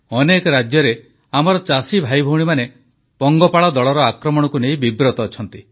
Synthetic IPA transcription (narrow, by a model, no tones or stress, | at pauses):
ɔnekɔɾad͡ʒjɔɾe | amɔɾɔt͡ʃasibʱajbʱowɽ̃imane | pɔŋɡɔpaɭɔd̪ɔɭɔɾɔakɾɔmɔɽɔkunej̃bibɾɔt̪ɔːt͡ʃʰɔnt̪i